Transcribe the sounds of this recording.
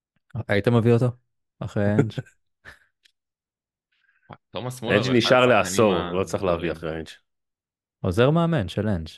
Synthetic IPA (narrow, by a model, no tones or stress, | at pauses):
ait̪ameviot̪o̞ | aχʁejend͡ʒ | osend͡ʒniʃaʁleaso̞ʁlo̞t͡sʁiχleaviaχʁeent͡ʃ | ozeʁmeament͡ʃelent͡ʃ